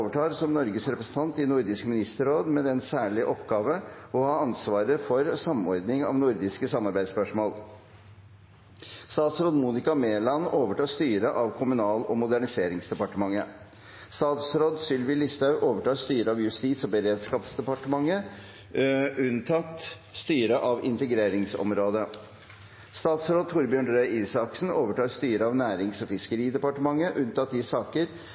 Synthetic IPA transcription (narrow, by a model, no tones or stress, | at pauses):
ʋəʈʰɑːɾsɔmnɔɾɡəsɾɛpɾəsn̩t̪ʰɑnt̪ɪnʊɾd̪ɪskmɪnɪst̪əɾoːd̪mɛd̪ɛnsæːɭɪʔɔpːɡɑːʋəɔhɑːɑnsʋɑːɾəfɔɾsɑmɔɾd̪nɪŋɑ̰ʋnʊɾd̪ɪskəsɑmɑɾbæɪd̪spœʂmoːl | st̪ɑːt̪sɾoːd̪muːnɪkɑmeːlɑnoːʋəʈɑːst̪yːɾəʔɑʋkʰʊmʉnɑːlɔmʊd̪æɳɪseːɾɪŋsd̪ɛpɑʈəmɑŋːə | st̪ɑːt̪sɾoːd̪sʏlʋɪlɪst̪ɑʉʔoːʋəʈɑːst̪yːɾəɑʋjʉst̪iːt̪sɔbəɾeːd̪skɑːpsd̪ɛpɑʈəmɑŋːə | ʉnt̪ʰɑt̪ | st̪yːɾəʔɑʋɪnt̪əɡɾeːɾɪŋsɔ̰mɾoːd̪ə | st̪ɑːt̪sɾoːd̪̚t̪ʰʊɾbjøːɳɖɾœʏʔiːsɑksn̩oːʋəʈɑːɾst̪yːɾəɑːʋnæːɾɪŋsɔfɪskəɾiːd̪ɛpɑʈəmɑŋːəʔʉnt̪ɑt̪ɪsɑːkəɾ